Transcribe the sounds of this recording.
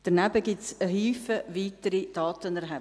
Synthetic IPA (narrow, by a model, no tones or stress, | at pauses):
d̥ənæbəɡɪtsəɦyːfəviːtəɾid̥ɑːtənɛɾɦɛ